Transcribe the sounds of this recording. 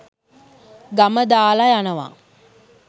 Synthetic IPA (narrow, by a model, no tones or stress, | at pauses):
ɡaməd̪aːlajanəʋa̰